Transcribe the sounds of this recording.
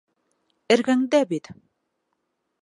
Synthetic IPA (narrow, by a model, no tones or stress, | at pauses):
ɘ̆ɾɡæŋd̪æbit̪